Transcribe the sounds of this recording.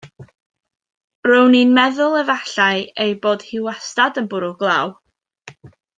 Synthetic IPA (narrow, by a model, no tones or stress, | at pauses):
rowninmɛðʊlˠəvaɬaɨejboːd̥hɪwastadənbʊɾʊɡlˠaːw